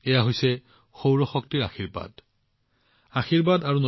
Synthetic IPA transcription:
ɛjaɦojsɛ | xowɹɔxɔk̚tiɹa̰xiɹba̰d | axiɹbadaɹuno

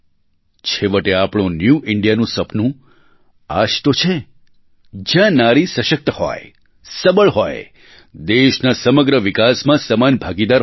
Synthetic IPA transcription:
t͡ʃʰeʋəʈeapɽ̃õnjuʔɪɳɖijanũsəpnũ | a̰ʃt̪ot͡ʃʰe | d͡ʒjãnaɾisəʃək̚t̪əhɔ̰j | səbəɭɦoj | d̪eʃnasəməɡɾəʋikasmãsəmanbʱaɡid̪aɾ

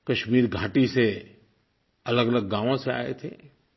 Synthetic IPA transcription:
kɐʃmiːɾɡʱaːʈise | ɐləɡələɡːãːʋõsea̰ːḛt̪ʰḛː

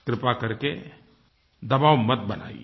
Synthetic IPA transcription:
kɾɪpakɐɾke | d̪ɐbaːwmət̪̚bɐna̰ːḭ

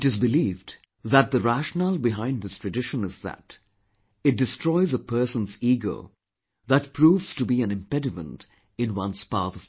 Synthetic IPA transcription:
ɪtɨzbɨliːvd | ðət̪̚ðəɹæʃnəl̩ˠbɨɦãɪ̃nd̪ðɪstʰɹ̥ɨdɪʃə̃nɨzðæ̰t | ɨt̚dɨstɹ̥ɔɪzəpʰɜ˞sə̃nziɡo̰ʊ | ðət̚pʰɹuːvz̥tubiɨ̃nɨ̃mpɛɾɨmə̰̃nt | ɨ̃nwʌ̃nspɑ̰ɹθʌv̥

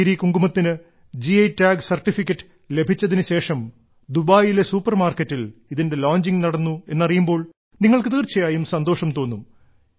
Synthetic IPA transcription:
iɾikuŋɡumɐt̪ːinɨ | d͡ʑiɐjtːaːɡsɐrʈːifikʲːɐʈːɨ̥ | le̞bʱit͡ɕːɐðinɨɕe̞ːʂɐm | d̪ubaːjile̞suːpːɐrmaːrkɐtːiliðinde̞loːɲd͡ʑiŋnɐɽɐnːue̞nːɐrijumbo̞ːɭ | niŋːɐɭkɨt̪iːrt͡ɕːɐjaːjumsɐnd̪o̞ːʂɐmt̪o̞ːnːum

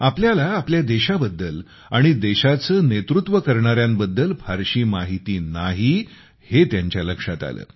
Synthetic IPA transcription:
apljalaːpljad̪eɕabəd̪ːəl | aɽ̃id̪eɕat͡səːnet̪ɾut̪ʋəkəɾɳaɾjambəd̪ːəlfʰaɾɕiːmaɦit̪iːnaɦi | het̪jaɲt͡ɕjaləkʂat̪a̰lə̰ː

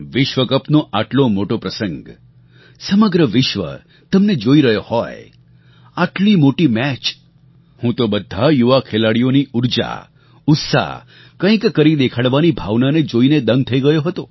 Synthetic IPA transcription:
ʋɪʃʋəkəpnoʔaʈlomoʈopɾəsə̃ŋɡ | səməɡɾəʋɪʃʋə̰ | t̪əmned͡ʒoiɾəɦjohɔj | aʈlimoʈimɛt͡ʃ | hũt̪obəd̪ʱːajuʋakʰelaɽijoniuɾd͡ʒa̰ | ʊt̪sa̰ | kə̃ĩkkəɾid̪ekʰaɽʋanibʱaʋnaned͡ʒoined̪əŋɡ̚t̪ʰəiɡəjoɦət̪o

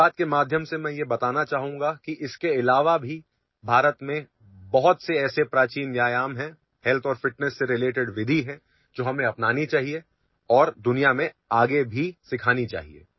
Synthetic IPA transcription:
aːt̪̚kemaːd̪ʱjəmsemɛ̃ːjebɐt̪aːnat͡ʃaːɦũːŋɡakiʔɪskeɪlaːʋabʱi | bʱaːɾət̪mẽ | bɐɦʊt̪seɛːsepɾaːt͡ʃiːnʋjaːjaːmɦɛ̃ | hɛlt̪ʰɔːɾfɪʈnəsːeɾɪleːʈɪɖʋɪd̪ʱiɦɛ̃ | d͡ʒoːɦɐmẽɐpnaːnit͡ʃaːɦie | ɔːɾd̪ʊnijamẽ | aːɡebʱisɪkʰaːnit͡ʃa̰ːɦḭḛː

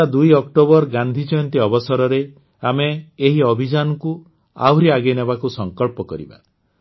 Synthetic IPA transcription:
ad̪ujɔkʈobɔɾɡand̪ʱid͡ʒɔjɔnt̪iɔbɔsɔɾɔɾe | ameːɦiɔbʱid͡ʒanɔku | a̰wɾiaɡenebakusɔŋkɔɭpɔkɔ̰ɾḭba̰

